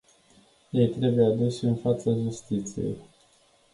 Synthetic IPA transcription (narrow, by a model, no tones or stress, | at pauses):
je̞jt̪ɾe̞bujead̪usʲɨnfat̪saʒust̪it̪sije̞̰j